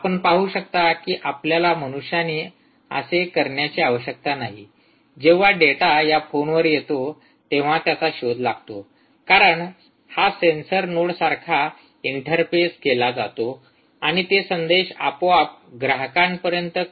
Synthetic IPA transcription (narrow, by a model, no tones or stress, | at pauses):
apəɳpaɦuɕək̚t̪akiːʔapljalaməñuʂjaniː | ə̰sekəɾɳjat͡ɕiaʋəɕjək̚t̪anaɦḭ | d͡ʑeʋ̤aɖeʈajafonʋəɾjet̪o | t̪eʋ̤at̪jat͡saɕod̪ʱlaɡt̪o | kaɾəɳ | hasensəɾnoɽsaɾkʰa | iɳʈəɾpeskelad͡za̰t̪o | aɽ̃it̪esənd̪eɕapoap̚ɡɾaɦəkãmpəɾjənt̪ə